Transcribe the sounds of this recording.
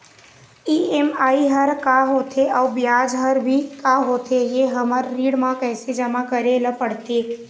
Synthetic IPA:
iemaːiɦəɾkaɦoːt̪ʰeʔəwbjaːd͡ʒɦəɾbʱikaɦot̪ʰejeɦəməɾːiːɽmãkɛːsed͡ʒəmakəɾeləpəɽt̪e

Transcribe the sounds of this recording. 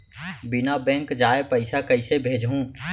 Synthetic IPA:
bɪnaːbɛ̃ːŋkd͡ʒaːepəɪsaːkəɪseːbʱeːd͡ʒɦũː

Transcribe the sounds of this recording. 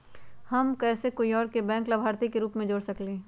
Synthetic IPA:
hɐmkɛːsekoːiɔːɾkebɛ̃ːŋklabʱaːɾt̪ikeɾuːpmẽd͡ʒoːɽsɐkleː

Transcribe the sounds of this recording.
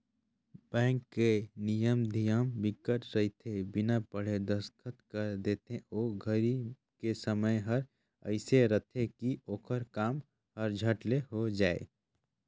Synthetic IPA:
bɛ̃ːŋkːenijəmd̪ʱijəmbɪkːəʈɾəɦit̪ʰebɪnapəɽ̤ed̪əskʰət̪kəɾd̪eːt̪ẽoːɡʱəɾi | kesəməjɦəɾ | ə̰ɪseɾət̪ʰekioːkʰəɾkaːm | ɦəɾd͡ʒʱəʈleɦod͡ʒaːḛ

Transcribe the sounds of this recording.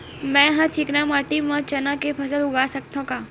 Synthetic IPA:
mɛ̃ːɦãt͡ʃɪknamaːʈimãt͡ʃɐnakepʰɐs̬əlʊɡaːsɐk̚t̪õkaː

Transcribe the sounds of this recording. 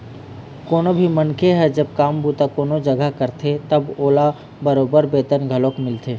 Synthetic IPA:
koːnobʱimɐnkeɦɛd͡ʒɐb̚kaːmbuːt̪akoːnod͡ʒɐɡəkɐɾt̪ʰet̪ɐboːla | bəɾoːbəɾbeːt̪ənɡʱɐloːkmɪlt̪ʰeː

